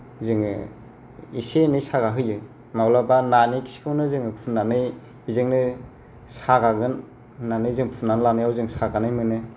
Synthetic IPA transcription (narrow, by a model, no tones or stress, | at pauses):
zɯŋ̰ | isenɯjsaɡaɦɯjɯ | mawlabananikʰi̥si̥kʰɯwnɯzɯŋɯpʰunːanɯj | bizɯŋnɯ | saɡaɡɯn | pʰnːanɯjzɯŋpʰunːanlanɯjawzɯŋsaɡanɯjmɯnɯ